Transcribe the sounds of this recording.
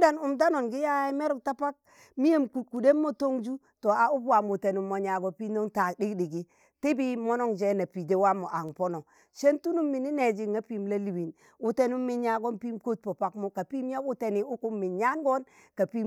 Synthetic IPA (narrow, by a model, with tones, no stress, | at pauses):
da˦nu˨mda˦no˨nɡi˦ja˦i˦me˦ɾu˨kta˦pa˦k̚ | mi˦je˦mku˨ku˨de˦mːo˦to˦ŋd͡ʒu˦ | to˨a˨u˦bwa˨mu˨te˨nu˨mːo˨ɲa˨ɡo˨pi˦no˦ŋta˨di˦kdi˨ɡi˦ | ti˦bi˦mo˦no˦ŋd͡ʒe˦na˨pi˨de˦wa˦mːo˨ʔa˨ŋpo˦no˨ | ʃe˦ntu˦nu˦mːi˨ni˦ne˨d͡ʒi˨ŋːa˦pi˦mla˦li˨wi˨n | u˦te˦nu˦mːi˨˦ɲa˨ɡo˦npi˦mko˦t̚po˨pa˦kmo˦ka˨pi˦m˦ja˦u˦te˦ni˨u˦ku˦mːi˨ɲa˦nɡo˦n | ka˨pi˦